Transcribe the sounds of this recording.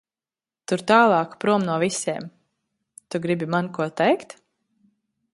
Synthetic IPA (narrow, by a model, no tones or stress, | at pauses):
t̪uɾt̪aːlˠɑːkpɾuɔmnuɔvisiɛm | t̪uɡɾibimankuɔt̪ɛjkt̪